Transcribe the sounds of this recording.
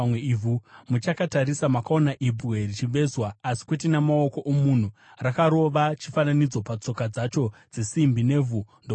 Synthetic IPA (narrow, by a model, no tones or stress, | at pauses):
weivumut͡ʃakataɾisamakao̞naʔibuɣerit͡ʃiʋe̞zwaːsi̥kwet̬inamao̞ko̞ʔomun̤u | rakaɾo̞ʋat͡ʃifananid͡zo̞pat͡so̞kad͡zat͡ʃo̞d͡zesimbine̞ːvundo